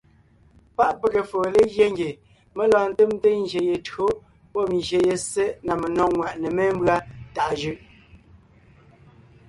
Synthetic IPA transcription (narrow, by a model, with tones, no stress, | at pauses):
pa˦ʔpə˨ɣe˨foː˨le˦ɣje˦ŋɡe˨ | me˦lɔː˨n̩˨te˦m˦te˦n̩˦d͡ʒe˨je˨to˦ | pɔ˦˨n˨ʒje˨je˨se˦na˨me˨nɔ˨ŋwa˨ʔne˨me˦mbɰa˦ta˨ʔʒʉ˦˨ʔ